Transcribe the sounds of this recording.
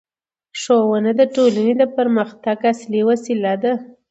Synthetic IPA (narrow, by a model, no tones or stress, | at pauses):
ʂowənad̪əʈolaned̪əpəɾməxt̪aɡasliwasilad̪a